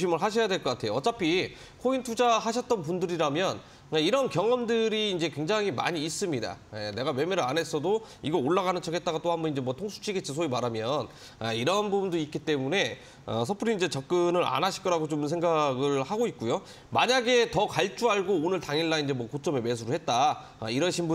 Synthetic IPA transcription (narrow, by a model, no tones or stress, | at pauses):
ɕʰimɯɭɦaɕʰijadwe̞ɭkʌk͈atʰe̞joʌt͡ɕ͈apʰi | kʰointʰud͡ʑaɦaɕʰʌt̚t͈ʌnp̬undɯɾiɾamjʌn | aiɾʌnkjʌŋʌmdɯɾiːnd͡ʑe̞kwe̞ŋd͡ʑaŋima̰ɲiːs͈ɯmɲida̰ene̞ɡawe̞meɾɯane̞s͈ʰʌdo | iɡʌoɭːaɡanɯnt͡ɕʰʌke̞t̚t͈aɡat͈oɦambʌnind͡ʑe̞mwʌtʰoŋsʰu̥t͡ɕʰiɡet͡ɕ͈is̬ʰoimaɾamjʌn | ʌiɾʌnbubundoit̚k͈it͈e̞mune̞ | ʌ̰sʰʌpʰɯɾiːnd͡ʑet͡ɕʌk̚k͈ɯnɯɾa̰naɕʰi̥k͈ʌɾaɡot͡ɕoms̬ʰe̞ŋɡaɡɯɭhaɡoit̚k͈ujo | maɲaɡe̞tʌkaɭt͡ɕ͈uaɭɡoonɯɭtaŋiɭːaind͡ʑe̞mwʌkot͡ɕ͈ʌmeme̞s̬ʰuɾɯhe̞t̚t͈a | ʌiɾʌɕʰinbu